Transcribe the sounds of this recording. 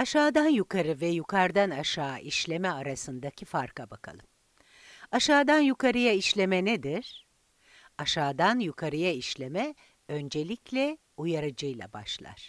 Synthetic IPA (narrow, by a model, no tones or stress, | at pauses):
aʃaːd̪anjukʰaɾɯvɛjukʰaɾd̪anaʃaːʔiʃlʲe̞mɛaɾasɯnd̪acʰifaɾkabakʰa̰lˠɯm | aʃaːd̪anjukʰaɾɯjaiʃlʲe̞mɛned̪iɾ̥ | aʃaːd̪anjukʰaɾɯjaiʃlʲe̞mɛ | ø̞nd͡ʒe̞lʲiclʲɛ | ujaɾɯd͡ʒɯjlˠa̰ba̰ʃlˠa̰ɾ̥